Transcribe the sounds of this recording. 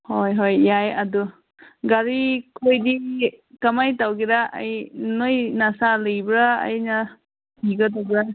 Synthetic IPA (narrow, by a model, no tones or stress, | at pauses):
hojɦojːajɐdu | ɡaɾikʰojdikamajtawɡiɾaʔa̰jnojnasalɯjbɾa̰ːjna | piɡɐtabɾa